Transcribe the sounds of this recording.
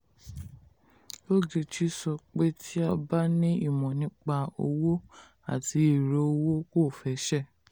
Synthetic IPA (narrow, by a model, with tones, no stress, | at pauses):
o˦d͡ʒe˧t͡ʃi˦sɔ˧k͡pe˦tʰi˦ɔ˧ba˦nĩ˦i˦˨mɔ̃˨nĩ˨˦k͡pa˧o̰˧wo˦ | a̰˦˨ti˨˦i˦˨ɾo˨˦o˧wo˦ko˦˨fɛ˨˦ʃɛ˦˨